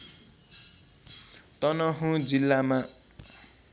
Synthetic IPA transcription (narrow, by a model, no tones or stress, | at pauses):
t̪ʌnʌɦũd͡zilːama